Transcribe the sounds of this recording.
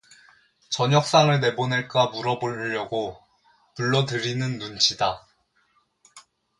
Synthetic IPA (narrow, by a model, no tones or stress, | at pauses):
t͡ɕʌɲʌk̚s͈aŋɯɭne̞boneɭk͈amuɾʌboʎːʌɡo | puɭːʌdɯɾinɯnːund͡ʑʰida